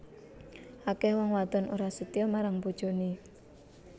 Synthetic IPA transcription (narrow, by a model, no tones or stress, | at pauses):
ʔakɛhwɔŋwad̪ɔnoɾasət̪iɔmaɾaŋpud̥ʒ̥o̤ni